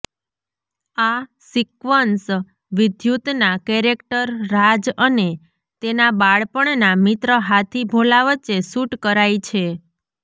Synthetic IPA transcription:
a | sikʋəns | ʋɪd̪ʱjut̪nakɛɾekʈəɾːad͡ʒəne | t̪enabaɭpəɳnamit̪ɾəɦat̪ʰibʱolaʋət͡ʃːesuʈkəɾajt͡ʃʰe

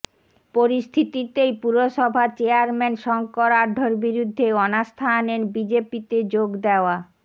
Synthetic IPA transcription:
poɾist̪ʰit̪it̪ejpuɾoʃɔbʱat͡ɕeaɾmɛnʃɔŋkɔɾaɾɖʱoɾbiɾud̪ʱːeɔnast̪ʰanenbid͡ʑepit̪ed͡ʑoɡd̪eoa

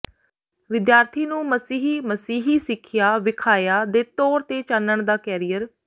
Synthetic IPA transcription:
ʋɪd̪jaːɾt̪ʰiːnũːməsiːɦiːməsiːɦiːsɪkʰɪjaːʋɪkʰaːjaːd̪eːt̪ɔːɾt̪eːt͡ʃanːəɳd̪aːkɛːɾijəɾ

